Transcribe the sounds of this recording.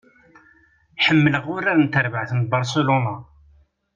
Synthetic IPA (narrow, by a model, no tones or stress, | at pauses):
ħəmːələʁʊɾːaɾnt̪əɾbəʕθənbɑɾˤselona